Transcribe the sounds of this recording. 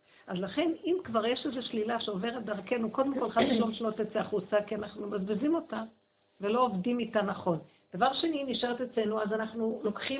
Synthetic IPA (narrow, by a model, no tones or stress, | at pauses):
ʔazlaχe̞nimkvaʁje̞ʃezeʃlilaʃeove̞ʁet̚d̪aʁke̞nuko̞d̪emko̞lχadʃlomʃnotet͡seaχut͡sakianaχnumazbizimo̞ta | ve̞lo̞ːovdimitanaχo̞n | d̥avaʁʃe̞niniʃeʁt̪et͡sle̞nuazanaχnulo̞kχi